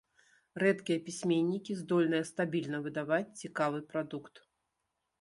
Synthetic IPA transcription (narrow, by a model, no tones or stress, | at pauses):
rɛt̪kʲijɐpʲisʲmʲenʲːikʲizd̪ɔlʲnɨjɐst̪abʲilʲnɐvɨd̪avat͡sʲt͡sʲikavɨpɾad̪ukt̪